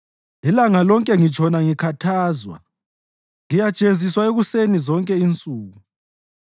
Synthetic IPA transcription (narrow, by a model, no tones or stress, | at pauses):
lilaŋalɔŋkʼɛŋit͡ʃʰʼɔnaŋikʰatʰaːzwa̰ | ŋijḁt͡ʃʼezʱiswaeɣusenizɔŋkʼɛint͡sʼuːɣu